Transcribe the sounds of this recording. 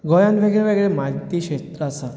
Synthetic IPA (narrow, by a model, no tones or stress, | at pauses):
ɡɔjanʋeɡɭeʋəɡɛɭemat̪iʂet̪ɾəasa